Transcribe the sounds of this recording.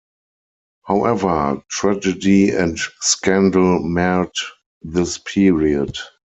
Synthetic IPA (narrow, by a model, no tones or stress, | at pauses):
haʊʔɛvə˞tʰɹæd͡ʒədiɛ̃ntskæ̃ndl̩mɛt | ðɪspʰiɹiəd